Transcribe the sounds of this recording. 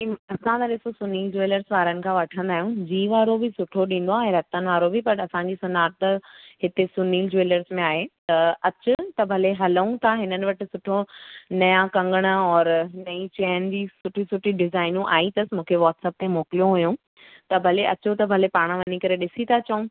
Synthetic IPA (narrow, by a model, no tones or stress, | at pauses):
iɐsãt̪aɗɪsosʊniːld͡ʑoeːləɾsʋaːɾənɪ̆kʰãʋɐʈʰə̃nd̪aːɦijũd͡ʑiːʋaːɾobɪsʊʈʰoɗĩːn̆d̪oaːɦẽɾɐt̪ən̆ʋaːɾobɪpɐɾɐsãɲd͡ʑiːsʊnaːɾ̚t̪ɐɦɪt̪esʊniːld͡ʑoeləɾsmẽaːɦet̪ɐɐt͡ɕʊt̪ɐbʱɐleɦɐləũt̪ʰaɦɪnənɪ̆ʋɐʈɪ̆sʊʈʰonɐjãkɐ̃ŋɡəɽ̃ə̆ɔːɾnɐĩt͡ɕɛːnd͡ʑiːsʊʈʰisʊʈʰiɖɪzaːɪnũʔa̰ːĩt̪ɐsmũːkʰeʋɔːʈsəp̚t̪emoːkɪlijõɦujũ | t̪ɐbʱɐleʔɐt͡ɕʊt̪ɐbʱɐlepaːɽ̃ə̃ʋɐnikɐɾeɗɪsit̪ʰat͡ɕɐũ